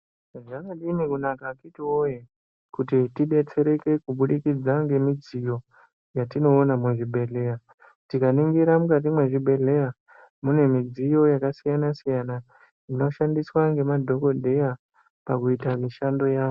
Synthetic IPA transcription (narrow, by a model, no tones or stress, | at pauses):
ʐakaɗinikunakakitiwoje | kutitiɓe̞t͡se̞ɾe̞ke̞kuɓuɗikid͡zaŋɡe̞mid͡zijo̞ | jatino̞ːnamweʐibʱe̞ɮe̞ja | tikaniŋɡiɾamukat̬imwe̞ʐibʱe̞ɮe̞ja | mune̞mid͡zijo̞jakasijanasijana | ino̞ʃandiswaŋɡe̞madʱo̞ko̞dʱe̞ja | pakuitamiʃando̞jaːo